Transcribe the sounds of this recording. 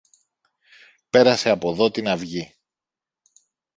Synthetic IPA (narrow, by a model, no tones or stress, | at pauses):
pe̞ɾɐse̞ɐpo̞ðo̞t̪inɐvʝi